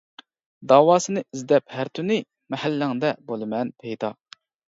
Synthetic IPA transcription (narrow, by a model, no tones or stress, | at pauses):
d̪ɑːwɑːsɨnɨʔizd̪ɛphæɾt̪ʰynɪ | mɛhælːɪŋd̪ɛbolˠɨmɛnpʰejd̪ɑ